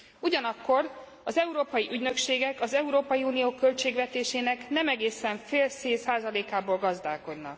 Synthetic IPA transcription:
uɟɒnɒkːo̞r | ɒzɛuɾoːpɒjiʔyɟnø̞kʃeːɡɛkɒzɛuɾoːpɒjiuːnijoːkø̞lt͡ʃeːɡʋɛt̪eːʃeːnɛknɛmɛɡeːsɛɱfeːlseːsaːzɒleːkaːboːlɡɒzd̪aːko̞d̪nɒ̰k̚

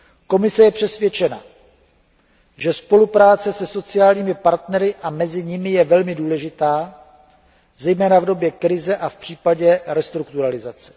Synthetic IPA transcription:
ko̞mɪsɛjɛpr̝̥ɛsvjɛt͡ʃɛna̰ | ʒɛspo̞lupɾaːt͡sɛsɛso̞t͡sɪjaːlɲiːmɪpaɾt̪nɛɾɪʔamɛzɪɲɪmɪjɛvɛlmɪduːlɛʒɪt̪aː | zɛjmɛːnavdo̞bjɛkɾɪzɛʔafpr̝̥iːpaɟɛɾɛst̪ɾukt̪uɾalɪzat͡sɛ̥

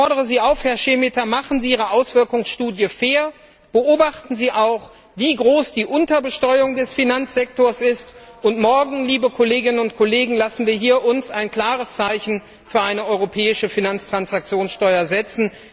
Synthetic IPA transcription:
ɔɐɾəʁ̞əziːaʊfhɛɐʃeːmɪtɐmaχn̩ziːʔiːʁ̞əʔaʊsv̥ɪɐkʊŋsʃtuːdjəfeːɐ | b̥əʔoːbaχtn̩ziːʔaʊχ | viːɡʁoːsd̥iːʔʊntɐbəʃtɔʏʊŋdɛsfinant͡sz̥ɛk̚toːɐsɪstʊntmɔɐɡŋ̩liːbəkʰoleːɡɪnənʊntkʰoleːɡŋ̩lasn̩viːɐɦiːɐʔʊnsaɪnkl̥aːʁ̞əst͡saɪçn̩ | fyːɐʔaɪnəʔɔʏʁopʰɛːɪʃəfinant͡stʁ̥ansak̚t͡sjoːnsʃtɔʏɐzɛt͡sn̩

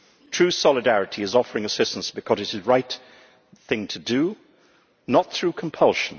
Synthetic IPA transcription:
tʰɹ̥ʉsɑlˠɨdæɹɨɾʰiɨzɔfə˞ɪ̃ŋɨsɪstn̩sb̥ɨkʰʌzɨɾɨzɹaɪt̪ | θɪ̃ŋtʰɨdɨ | nət̪̚θɹʉkʰm̩pʰʌlˠʃn̩

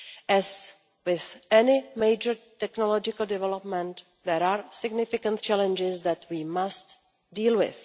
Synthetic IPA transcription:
ʔɛs | wɪθʔɛnɪmejd͡ʒəɾtɛknolod͡ʒɪkəl̩dɛvɛlopmɛ̃nt̪ | dɛɾaːɹsɪɡnɪfɪkə̃nt̪t͡ʃɛlɛ̃nd͡ʒɪsd̪ɛt̪wiːmast̪ | diːlwɪ̰θ

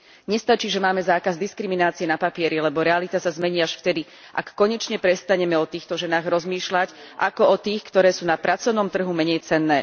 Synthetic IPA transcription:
ɲɛst̪at͡ʃiːʒɛmaːmɛzaːkazd̪iskɾiminaːt͡siɛnapapɪɛɾilɛbɔɾɛalit̪asazmɛɲiːaʃft̪ɛd̪i | ʔa̰kːɔɲɛt͡ʃɲɛpɾɛst̪aɲɛmɛɔt̪iːxt̪ɔʒɛnaːɣɾɔzmiːʃlacʔa̰kɔɔt̪iːxkt̪ɔɾɛːsuːnapɾat͡sɔʊnɔmt̪r̩ɦumɛɲɛjt͡sɛnːɛ̰ː

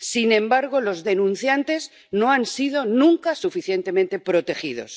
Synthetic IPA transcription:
sinẽ̞mbaɾɣ̞olo̞zðe̞nũn̟θjant̪e̞z | no̞ansið̞o̞nũŋkasufiθje̞nt̪e̞mẽnt̪e̞pɾo̞t̪e̞xið̞o̞̰s

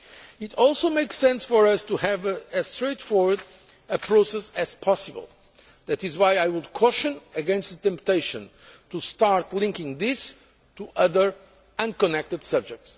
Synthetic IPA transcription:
ɪtʰɔlˠsomeɪksɛ̃nsfɔɹʌstuhɨvɨz̥stɹeɪtfɔɹwə˞d | ɨpʰɹosɛsɨz̥pʰɑsɨbə̰l̩ˠ | ðætɨzwajajwudkʰɔʃɨ̃nɨɡɛ̃nst̪̚tɛ̃mp̚teɪʃɨ̃ntustaɹt̪lĩŋkɪ̃ŋðɪs | tʰuʔʌðə˞ | ʌ̃nkɔnɛk̚tɨd̥sʌb̚d͡ʒɛk̚ts

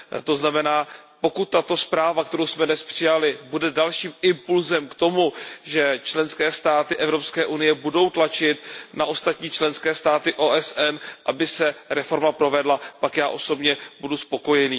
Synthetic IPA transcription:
t̪o̞znamɛnaːpo̞kut̪ːat̪o̞spɾaːvak̚t̪ɛɾowsmɛdnɛspr̝̥ɪjalɪbudɛdalʃiːmɪmpulzɛmkt̪o̞muʒɛt͡ʃlɛnskɛːst̪aːt̪ɪʔɛvɾo̞pskɛːʔunɪjɛbudo̞wt̪lat͡ʃɪt̪naʔo̞st̪at̪ɲiːt͡ʃlɛnskɛːst̪aːt̪ɪʔoːʔɛsʔɛnʔabɪsɛɾɛfo̞ɾmapɾo̞vɛdlapakjaːʔoso̞bɲɛbuduspo̞ko̞jɛniː

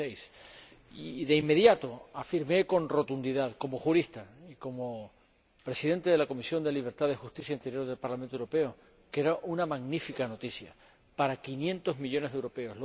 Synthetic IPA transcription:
ejs | iðe̞imːe̞ðjat̪o̞afiɾme̞ko̞nro̞t̪und̪iðaðko̞mo̞xuɾist̪aiko̞mo | pɾe̞siðe̞nt̪eðelako̞misjo̞nd̪e̞liβ̞e̞ɾt̪aðexust̪isjaint̪e̞ɾjo̞ɾðelpaɾlament̪owɾope̞o | ke̞ɾaʔunamaɣnifikano̞t̪isja̰ | paɾakinjẽ̞nt̪o̞zmiʎo̞neɦðewɾope̞o̞sl

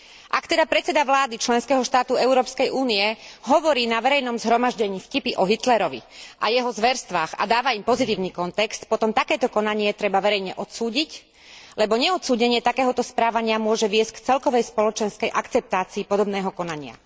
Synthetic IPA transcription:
ʔakt̪ɛd̪apɾɛt̪t͡sɛd̪aʋlaːd̪it͡ʃlɛnskɛːɦɔʃt̪aːt̪uɛʊɾɔːpskɛjʔuːniɛɦɔʋɔɾiːnaʋɛɾɛjnɔmzɦɾɔmaʒɟɛɲiːfcipiʔɔɦit̪lɛɾɔʋḭʔajɛɦɔzʋɛɾst̪ʋaːxa̰d̪aːʋaimpɔzit̪iːʊniːkɔnt̪ɛkst̪pɔt̪ɔmt̪akɛːt̪ɔkɔnaɲɪɛt̪ɾɛbaʋɛɾɛjɲɛʔɔt̪suːɟic | lɛbɔɲɛɔt̪suːɟɛɲɪɛt̪akɛːɦɔt̪ɔspɾaːʋaɲɪamʊɔʒɛʋɪɛsckt͡sɛlkɔʋɛjspɔlɔt͡ʃɛnskɛjʔakt͡sɛp̚t̪aːt͡siːpɔd̪ɔbnɛːɦɔkɔnaɲɪa̰

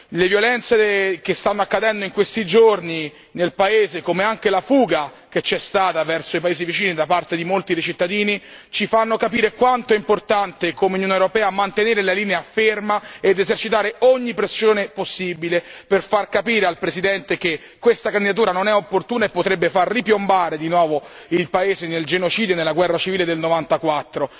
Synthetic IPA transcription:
levjolɛnt̪sekest̪anːoakːad̪ɛnd̪oiŋkwest̪id͡ʒorni | nelpaeːzekomeaŋk̟elafuːɡa | k̟et͡ʃːɛst̪aːt̪avɛrsoipaeːzivit͡ʃiːnid̪apart̪ed̪imolt̪id̪ejt͡ʃit̪ːad̪iːni | t͡ʃifanːokapiːɾekwant̪oɛimport̪ant̪ekomeunjoneɾopɛːamant̪eneːɾelaliːneafermaed̪ezert͡ʃit̪aːɾeɔɲːipɾesːjoːneposːibileperfarkapiːɾealpɾesid̪ɛnt̪eke | kːwest̪akand̪id̪at̪̬uːɾanonɛopːort̪uːnaepːot̪ɾɛbːefarːipjombaːɾed̪inwɔːvo | ilpaeːzeneld͡ʒenot͡ʃiːd̪jonelːaɡwɛrːat͡ʃiviːled̪elnovant̪akwat̪ːɾo

